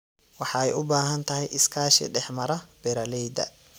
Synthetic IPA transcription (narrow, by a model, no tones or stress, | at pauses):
wɑħɑɛjʊbaːɦɐnt̪ʰɐɦɛjʔɪskʰaːʃɪ̰ɖɛħmɐɾɐb̥ɛɾɐlɛjd̪ɐ̰